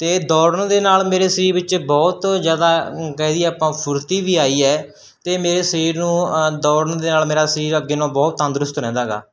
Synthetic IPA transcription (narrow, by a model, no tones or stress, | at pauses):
t̪eːd̪ɔːɾəɳd̪eːnaːlmeːɾeːsəɾiːɾʋɪt͡ʃbɔːt̪zjaːd̪aːkɛɦd̪iːɛaːpãːpʰʊɾt̪iːʋiːaːiːɛː | t̪eːmeːɾeːsəɾiːɾnũːd̪ɔːɾəɳd̪eːnaːlmeːɾaːsəɾiːɾəɡːeːnõːbɔːt̪ːə̃nd̪ɾʊst̪ɾɛ̃ːnd̪aːɡa̰ː